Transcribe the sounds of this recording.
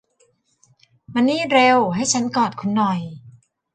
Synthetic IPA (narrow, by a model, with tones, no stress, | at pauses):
ma˧nːiː˥˩ɾe˧wɦa˥˩jt͡ɕʰa˦˥nkɔː˨˩t̪̚kʰu˧nːɔ˨˩j